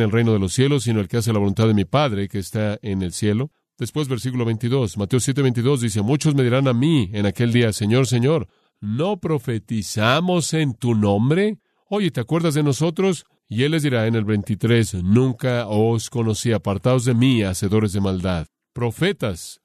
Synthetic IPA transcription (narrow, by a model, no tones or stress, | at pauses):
nelrejnoð̞e̞lo̞sje̞lo̞s̬ːino̞elkeas̬e̞laβo̞lunt̪aðemipaðɾe̞keːst̪aene̞lsje̞lo̞ | ð̥espwe̞zβe̞ɾsikulo̞βe̞jnt̪iðo̞smat̪eos̬je̞t̪eβe̞nt̪̬iðo̞zðis̬e̞mut͡ʃo̞zme̞ðiɾanamienake̞ld̪iase̞ɲo̞ɾs̬e̞ɲo̞ɾ | no̞pɾo̞fe̞t̪isamo̞se̞nt̪unõ̞mbɾe̞ | o̞ʝet̪eakwe̞ɾðazðe̞no̞so̞t̪ɾo̞s | ie̞lːe̞zðiɾaene̞lβe̞jnt̪it̪ɾe̞snũŋkaosko̞no̞siapaɾt̪aozðe̞miase̞ðo̞ɾe̞zðe̞mald̪að | pɾo̞fe̞t̪as